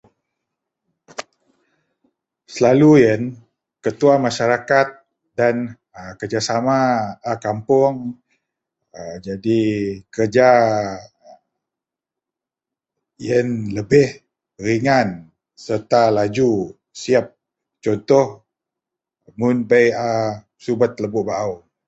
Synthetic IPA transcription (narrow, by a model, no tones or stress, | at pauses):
səlalujən | kət̪uamaʃaɾakat̪̚ | dan | əkərd͡ʒasamaəkampʊŋ | d͡ʒadikərd͡ʒa | jənləbɪh | riŋan | sərt̪alad͡ʒu | siap̚ | t͡ʃɔnt̪ɔh | mʊnbəja | subat̪̚ləbʊʔbaʔaw